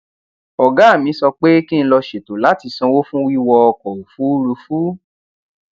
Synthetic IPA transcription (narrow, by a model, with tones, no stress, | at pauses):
ɔ˨ɡa˨˦˨mĩ˨˧˦sɔ˧k͡pe˦ki˦˧ñ̩˦˧lɔ˧ʃe˨to˨la˨˦ti˧sɔ̃˧wo˦fũ˦wi˦wɔ˧ɔ˧kɔ˨ɾu˨fu˨˦ɾu˧fu˦